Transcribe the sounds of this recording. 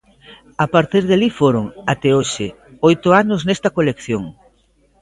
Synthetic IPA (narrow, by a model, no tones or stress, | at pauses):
apaɾt̪iɾðalifoɾʊŋat̪ɛoʃɪ | ojt̪ʊanʊznɛst̪ɐkolekθjoŋ